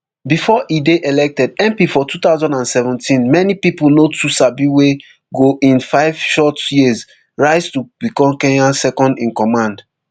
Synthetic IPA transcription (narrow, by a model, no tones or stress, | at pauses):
bifɔʔideʔelɛk̚tɛdɛ̃mpifɔtut̪aʊzɔ̃ndãnsɛvɛ̃ntʰĩnmɛnipipunotʰusabiwe | ɡoʔĩnfaɪv̥ʃɔtjiz | ɹaɪstub̥ikɔ̃mkẽɲãnsɛkɔ̃ndĩnkɔ̃mãnd